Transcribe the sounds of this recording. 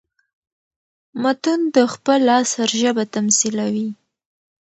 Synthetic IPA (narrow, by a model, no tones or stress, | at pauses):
mat̪und̪əxpəlɑsaɾʒəbat̪amsilawi